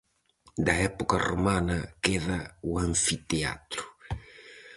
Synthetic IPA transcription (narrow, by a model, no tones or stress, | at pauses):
d̪ɐɛpokɐromanɐkɛðɐuãɱfit̪ea̰t̪ɾu̥